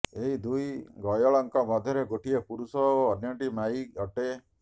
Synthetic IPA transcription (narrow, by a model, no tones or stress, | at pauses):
eɦid̪ujɡɔjɔɭɔŋkɔmɔd̪ʱjɔɾeɡoʈiepuɾusɔːnjɔɳʈimaiɔʈe